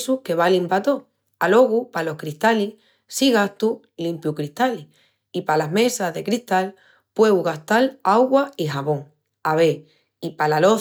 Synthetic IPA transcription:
suke̞β̞alimpat̪o̞ | alo̞ɣupalo̞hkɾiht̪ali | siɣast̪u | limpjukɾiht̪ali | ipalaɦmẽ̞saɦðe̞kɾiht̪al | pwe̞wɣast̪alawɣwaiɦaβõ̞ŋ | aβe | ipalalo̞

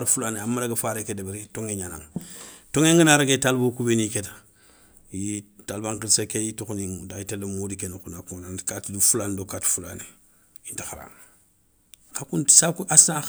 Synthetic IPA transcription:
ɾfulaneamːaɾaɡafaɾekedebiɾitoŋeɲana̰ŋtoŋeŋɡənaɾaɡetalbokubeniketḁ | jitalbaŋkilsekejitokuniŋdaitelemudikenokunakonankatdufulandokatfula̰ne | intixaɾa̰ŋ | kakuntsakasa

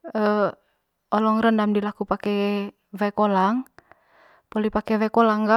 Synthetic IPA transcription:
ə | ɔlɔŋrəndamdilakupakɛ | vɛkolaŋ | pɔlipakɛvɛkolaŋɡa

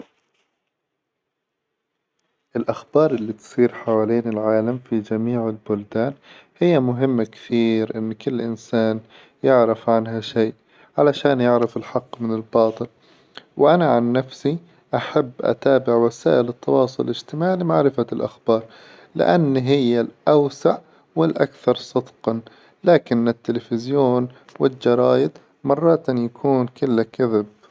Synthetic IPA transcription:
ʔɪlʔaxbɑːɾˤʔɪlːit̪sˤiːɾħawaːliːnɪlʕaːlamfid͡ʒamiːʕɪlbʊld̪aːn | hɪjːamʊɦɪmːakɪ̥θiːɾʔɪnːkɪlːʔɪnsaːn | jɪʕɾɪfʕanɦaʃeːʔ | ʕalaʃaːnjɪʕɾɪfɪlħɑqːmɪnɪlbɑːt̪ˤɨl | wʔanaʕanːafsi | ʔaħabːʔa̰t̪aːbɪʕwasaːʔɪlɪt̪ːɑwɑːsˤʊlɪd͡ʒt̪ɪmaːʕimaʕɾɪfalʔaxb̥ɑːɾˤ | lɪ̰ʔanːɦɪjːalʔawsaʕ | wɪlʔa̰kθɑɾˤsˤɑd̪qɑn | laːkɪnːɪt̪ːɪlefɪzjoːn | wɪld͡ʒɑɾˤɑːjɪd̪ | mɑrˤːɑːt̪ʔnjakʰuːnkɪlːakaðɪb̚

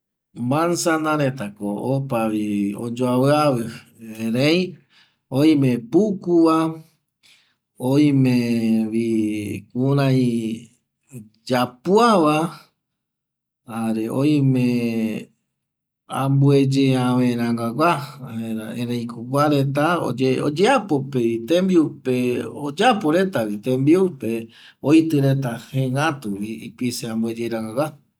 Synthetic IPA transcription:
mbansanãɾet̪akoopaβio̰d͡ʒoaβɨaβɨ | eɾej | ojmẽpukuβa | ojmẽβikuɾãj | d͡ʒapuaβa | aɾeʔo̰ĩmẽ | ãmbued͡ʒeãʋẽɾãŋɡaɡʷaahẽɾãẽɾẽj̃kʰoɡʷaɾet̪ao̰eo̰d͡ʒeapo̞peit̪ẽmbiupeod͡ʒapoɾe̞t̪awit̪ẽmbiupe | ojt̪ɨɾe̞t̪ahẽŋɡãt̪uβiipiseãmbued͡ʒeɾãŋɡaɡʷa

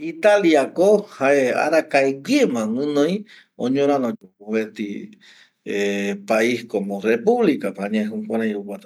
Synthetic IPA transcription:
it̪aliakohaea̰ɾakaeɡiemãŋɨ̃nõj̃ | õɲõɾanod͡ʒouβet̪i | epaiskomorepuβlikapaɲẽɦũkʷaɾãjukat̪a

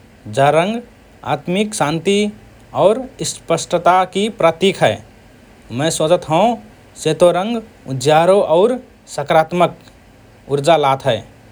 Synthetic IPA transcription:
d͡ʒəɾə̃ŋɡ | a̰ːt̪miksãːnt̪i | ɔːɾspəsʈət̪akipɾət̪ikʰɦɛː | mɛ̃sod͡ʒət̪ɦə̃õ | set̪oɾə̃ŋɡ | ʊdjaːɾoʔɔːɾ | səkɾaːt̪mək | ʊɾd͡ʒalaːt̪ɦɛː

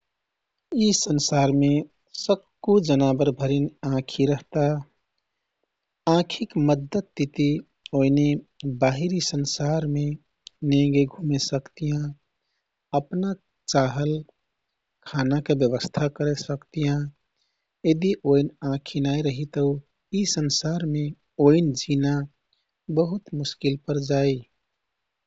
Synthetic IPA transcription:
isənsaɾme | səb̚ | kud͡ʒənabəɾbʱəɾinãkʰiɾəɦt̪a | ãkʰikməd̪ʱːət̪ːit̪i | oinebaɦiɾisənsaɾme | neɡeɡʱumesəkt̪ijã | əpna | t͡ʃaɦəl | kʰanakebjəbəst̪ʰakəɾesəkt̪ijã | jed̪iʔoinãkʰinaiɾəɦit̪əu | isənsaɾme | oind͡ʒʱina | bəɦut̪mʊskilpəɾd͡ʒai

